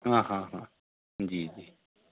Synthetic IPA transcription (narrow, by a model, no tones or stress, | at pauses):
ɦãːɦãːɦãː | d͡ʒiːd͡ʒiː